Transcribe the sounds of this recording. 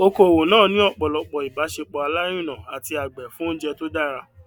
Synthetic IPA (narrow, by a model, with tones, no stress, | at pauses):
o˧ko˨wo˨nãː˦˨nĩ˨˦ɔ˦˨k͡pɔ˨lɔ˧k͡pɔ˨i˨ba˨˦ʃe˧k͡pɔ˨˧a˧la˦j̃ũ˦˨nã˨a˨ti˧a˨ɡ͡bɛ˨fũ˦n̩˦d͡ʒɛ˧to˦da˦ɾa˧